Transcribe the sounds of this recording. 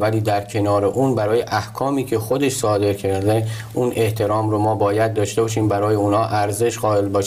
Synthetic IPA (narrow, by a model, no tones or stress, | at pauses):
væliːd̪æɾcʰe̞nɒːɾe̞ʔuːnbæɾɒːjeʔæhkʰɒːmiːcʰe̞xo̞d̪e̞ʃsɒːd̪e̞ɾcʰezæ | ʔune̞ht̪ʰe̞ɾɒːmɾomɒːbɒːjæd̪̚d̪ɒːʃt̪e̞bɒːʃiːmbæɾɒːjeunhɒːʔæɾze̞ʃɢɒːe̞lbɒːʃ